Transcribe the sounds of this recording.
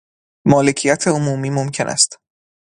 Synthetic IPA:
mɒːle̞cʰijæt̪ʰe̞omuːmiːmomcʰe̞nʔæ̰st̪

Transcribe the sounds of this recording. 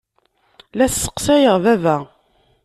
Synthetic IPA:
læssːə̥qsæjəʁvævæ

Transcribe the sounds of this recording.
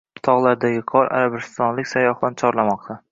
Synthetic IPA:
ʊt̪ʰɒʁlˠaɾd̪aɡʲɪqʰɒɾa̰ɾabɪst̪ɒnlɪkʲsajɒχbant͡ʃʰɒɾlamɒq̚t̪ʰa

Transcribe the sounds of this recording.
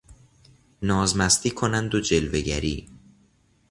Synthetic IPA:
nɒːzmæst̪ʰiːkʰonænd̪od͡ʒe̞lve̞ɟæ̰ɾḭː

